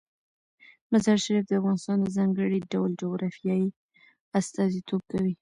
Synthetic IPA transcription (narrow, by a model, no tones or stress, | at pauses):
mazɑɾʃaɾifd̪əafɣɑnɪst̪ɑnd̪əzɑŋɡəɽiɖawld͡ʒoɡɾɑfjɑji | ast̪ɑzit̪ʰob̚kawi